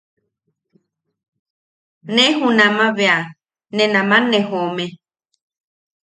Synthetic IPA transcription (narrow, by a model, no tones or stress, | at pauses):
nẽɦunãmãβea | nẽnãmãnẽɦomẽ